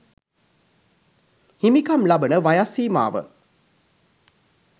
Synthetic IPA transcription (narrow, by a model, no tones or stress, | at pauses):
himikamlabənəʋajasiːma̰ːʋə̰